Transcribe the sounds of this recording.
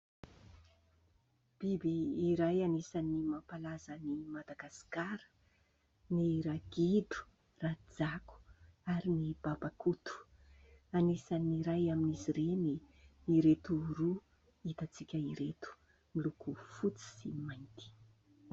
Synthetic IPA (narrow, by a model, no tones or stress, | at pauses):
b̥ibiːɾajanisanimapalazənimad̪aɡaskaɾə̥ | niɾaɡ̥idu̥ | rad͡zaku̥aɾinib̥abakut̪u̥ | anisaniɾajaminiziɾeni | niɾet̪uɾu | it̪at͡sikʲəiɾet̪u̥ | milukufut͡si̥simajnt̪i̥